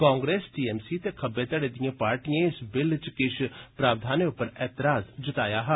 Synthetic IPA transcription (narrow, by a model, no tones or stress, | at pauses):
kãːŋɡɾeːsʈiːɛːmsiːt̪ekʰəbːeːt̪əɽeːd̪ijãːpaːɾʈijãːɪsbɪlt͡ʃkɪʃʰpɾaːʋd̪ʱaːneʊpːəɾɛːt̪ɪɾaːzd͡ʒət̪aːjaːɦɛː